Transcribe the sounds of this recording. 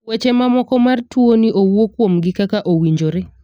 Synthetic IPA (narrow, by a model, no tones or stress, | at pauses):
wet͡ʃemamɔkɔmartwoniʔowwokwomɡɪkakaʔowiɲd͡ʒoɾe